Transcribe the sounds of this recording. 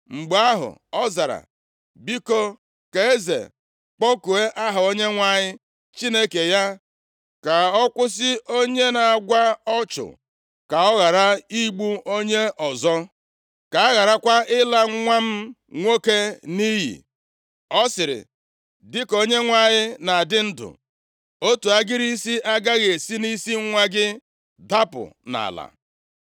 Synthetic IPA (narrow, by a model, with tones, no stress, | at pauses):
ŋ͡m̩˨ɡ͡ba˦ɦʊ̰˨ɔ˦za˨ɾa̰˨ | bi˦ko˦ | ke˨e˦zḛ˨ | k͡pɔ˦ku˨e˦ʔa˦ɦʊ˨o˦ɲe˦ŋʷa˨ɲɪ˦ | t͡ʃi˦ne˦ke˨ja˦ | ka˨ɔ˦kʷʊ˦s̬ɪ˦ʔo˦ɲe˦na˨a˨ɡʷa˦ɔ˦t͡ʃʊ̰˨ | ka˨ɔ˦ɣa˨ɾa˦i˦ɡ͡bu˦o˦ɲe˦ɔ˨zɔ˦ | ka˨a˦ɣa˨ɾa˦kʷa˦ɪ˦la˦ŋ̩˦ŋʷa˦m̩˦ | ŋʷo˦ke˦ni˦ɦḭ˨ | ɔ˦sɪ˨ɾɪ̰˨ | dɪ˦ko˦ɲe˦ŋʷa˦˨ɲɪ˦na˨dɪ˦n̩˦dʊ̰˨ | o˦tu˨a˦ɡɪ˦ɾi˦si˦ʔa˦ɡa˦ɣe˨si˦ni˦si˦ŋ̩˦ŋʷa˦ɡɪ˦ | da˦pʊ̰˨na̰˨la̰˨